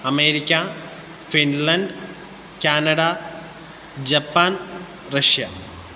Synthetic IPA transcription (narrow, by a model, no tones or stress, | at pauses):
ɐmeːɾikʲːɐ | finlɐɳɖ | kʲaːnɐɽa | d͡ʑɐpːaːn | rɐʂjɐ